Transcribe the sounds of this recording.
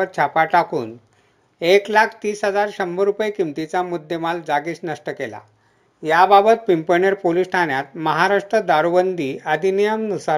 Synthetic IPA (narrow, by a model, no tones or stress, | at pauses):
ət̪̚t͡ɕʰapaʈakuːn | eklakʰt̪iːsɦəd͡zaɾɕəmbəɾupjkimt̪it͡samud̪ʱːemald͡zaɡiːsnəʂʈəkela̰ | jababət̪̚pimpəɳeɾpolisʈʰanjat̪̚məɦaɾaʂʈɾəd̪aɾuʋənd̪ʱiːəd̪ʱinijəmnusa